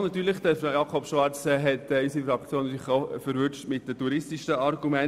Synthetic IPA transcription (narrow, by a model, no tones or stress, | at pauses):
nɑt̪yːɾlɪχd̥əfɾajɑkʰɔpʃʋɑɾt͡sɛɦɛtɛysifɾɑkt͡sjoːnsɪχoʊfəɾvʏt͡ʃtmɪt̚dətuɾɪstiʃəɑɾɡumɛn